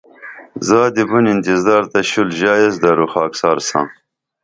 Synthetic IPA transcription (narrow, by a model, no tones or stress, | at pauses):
zɑːd̪ibunint̪izd̪ɑːɾt̪ɐɕulʑɑːjezd̪aɾuxɑːksɑːɾsɑ̰̃ː